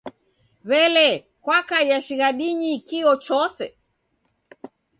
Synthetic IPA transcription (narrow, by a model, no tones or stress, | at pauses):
βɛlɛ | kwakajaʃiɣaɗiɲikiɔt͡ʃɔsɛ